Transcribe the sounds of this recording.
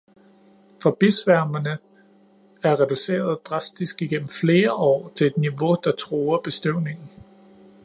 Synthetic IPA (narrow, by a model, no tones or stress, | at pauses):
fɒ̽b̥isʋæɐ̰mɐnə | æɐʁɛd̥use̝̰ːɐð̞ˠd̥ʁɑ̈sd̥isɡ̥iɡ̥en̰m̩fle̝ːɐʔɒ̰ːt͡sʰe̝ed̥niʋo̝d̥ɑ̈t͡sʰʁuːɐb̥e̝sd̥yʊ̰ne̝ŋn̩